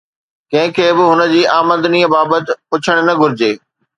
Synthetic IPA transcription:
kɐ̃ɦɪ̃kʰeːbɪɦʊnə̆d͡ʑiːaːməd̪niːəbaːbət̪ɪ̆pʊt͡ɕʰəɽ̃nɐɡʱʊɾɪd͡ʑeː

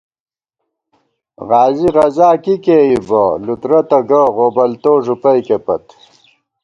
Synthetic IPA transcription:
ʁaːziʁɐzaːkikeibɐlut̪ɾɐt̪ɐɡɐʁoːbɐlt̪oːʐupɐjkepɐ̰t̪

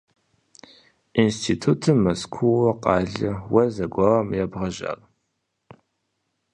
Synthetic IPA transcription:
instʰitʰutʰɨmːɐskʷʰuwɐqɑːɮɐwɐzɐɡʷɑwɐmjɛbʁɐʒa̰ːr

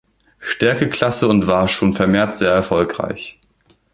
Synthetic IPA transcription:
ʃtɛɐkəkʰl̥asəʊntv̥aːɐʃoːnfɛɐmeːɐtz̥eːɐɛɐfɔlkʁ̥a̰ɪç

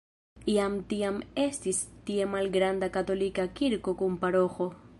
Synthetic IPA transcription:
iamtiame̞stistie̞malɡɾandakat̪o̞likakiɾko̞kumpaɾo̞xo̞

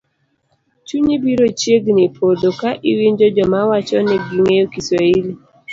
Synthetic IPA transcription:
t͡ʃuɲibiɾot͡ʃeɡnɪpʰodokaʔiwiɲd͡ʒod͡ʒɔmawat͡ʃɔneɡiŋeokiseili

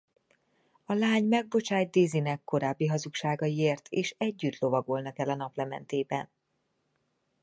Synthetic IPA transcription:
ɒlaːɲmɛɡ̚bo̞t͡ʃaːjt̪̚d̪iːzinɛkːo̞ɾaːbːiɦɒzukʃaːɡɒjieːrt̪ʰeːʃɛɟːyt̪lo̞vɒɡo̞lnɒkɛlɒnɒplɛmɛ̰nt̪eːbɛ̰n

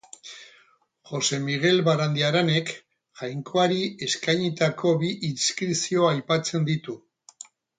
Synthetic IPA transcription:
xo̞se̞miɣ̞e̞lβaɾand̪iaɾane̞k | ʝajŋko̞aɾie̞skajɲit̪ako̞βiʔinskɾisio̞ajpat͡se̞nd̪it̪u

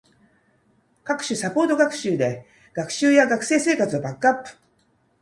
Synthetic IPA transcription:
kakɯ̟̥ɕɨsapo̞ːt̪o̞ɡakɯ̟̥ɕɨːd̪e̞ | ɡ̥akɯ̟̥ɕɨːjaɡakɯ̟̥se̞ːse̞ːkat͡sɨobakːɯ̟apːɯ̟̥

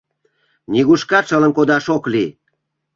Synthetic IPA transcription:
nʲiɣuʃkɑʃələ̆nkod̪ɑʃokli

